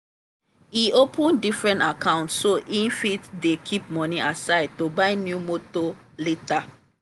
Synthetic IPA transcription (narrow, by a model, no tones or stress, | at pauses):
iopʰɔ̃ndifɹɛ̃ntakãʊ̃ntssoʔĩnfitdekʰip̚mɔniʔasaɪd̚tobaɪnjumoto | leta